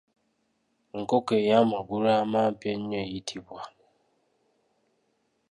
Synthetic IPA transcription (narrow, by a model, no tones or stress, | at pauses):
ŋ̩kokejamaɡʷuɾamapeɲ̩ɲejitʰibʷa